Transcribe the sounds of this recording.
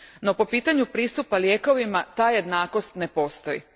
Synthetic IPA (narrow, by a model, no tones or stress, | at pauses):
no̞po̞piːt̪aɲupɾiːst̪upaljeːko̞ʋimat̪aːje̞d̪naːko̞st̪nepo̞ːst̪o̞jḭ